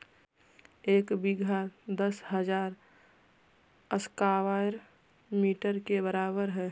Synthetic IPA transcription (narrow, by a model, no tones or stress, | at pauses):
eːkbiɡʱad̪əsɦəd͡ʒaːɾ | əskaʋaeɾ | miːʈəɾkebəɾaːbəɾɦɛː